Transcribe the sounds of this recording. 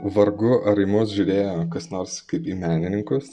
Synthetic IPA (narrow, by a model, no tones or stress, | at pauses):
ʋɐɾɡʊʔɐɾɐɪmuːsʒʲʊːɾʲeːjoːkɐsnoːɾskɐɪpiːmʲæːnʲɪnʲɪŋkʊs